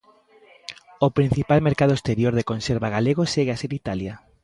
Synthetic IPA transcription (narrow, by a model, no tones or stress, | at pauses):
opɾin̟θipalmeɾkað̞ʊest̪eɾjoɾðekõnseɾβaɣaleɣ̞oseɣeaseɾit̪alja